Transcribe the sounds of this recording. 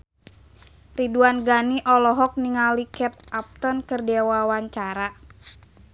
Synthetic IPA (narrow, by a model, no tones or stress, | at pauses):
riduanɡaniʔɔlɔɦɔk̚niŋalikɛp̪̚ap̚t̪ɔnkɨrdɛwawaɲt͡ʃaɾa